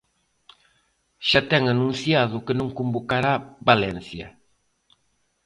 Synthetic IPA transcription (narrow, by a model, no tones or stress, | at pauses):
ʃat̪ɛŋanũnθjaðʊkɪnõŋkombokaɾaβalɛnsjɐ̰